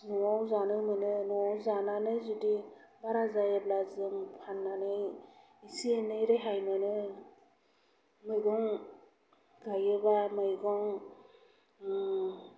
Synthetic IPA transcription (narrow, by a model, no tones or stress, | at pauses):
nuawzanɯjmɯnɯnuawzananɯjzudi | baɾazajablazɯmpʰanːanɯj | isienɯjɾɯjɦajmɯnɯ | mɯjɡɔŋ | ɡajɯbamɯjɡɔŋ